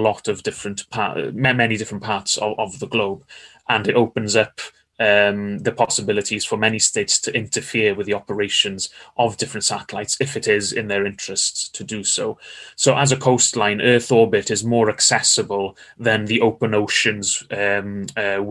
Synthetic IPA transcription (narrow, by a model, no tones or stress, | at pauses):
lɔtəvdɪfɹə̃nʔpʰɑ̰mɛmɛnidɪfɹə̃npʰɑɹtsə̰əvðəɡloʊbʔə̃nɪtoʊpə̃nzʌp | əmðəpʰɒsəbɪlɪtʰiz̥fəmɛnisteɪtstʰəʔɪ̃ntʰəfɪəwɪðiɒpəɹeɪʃə̃nzʔəvdɪfɹə̃ntsatəlaɪtsɪfɪtɪzɪ̰̃nðəɹɪ̃nt͡ʃɹ̥əststʰədəsoʊsoʊʔəzəkʰoʊstˡlãɪ̃nʔɜːˑθɔɹbɪtɪzmɔːɹəksɛsəbəlˠðə̃nðiʔoʊpə̃noʊʃə̃nzm